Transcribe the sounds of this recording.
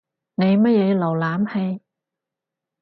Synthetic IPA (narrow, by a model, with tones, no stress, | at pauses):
ne˨˧jmɐ˥t̚jɛː˨˧lo˨˩wlaː˨˥mhe˧j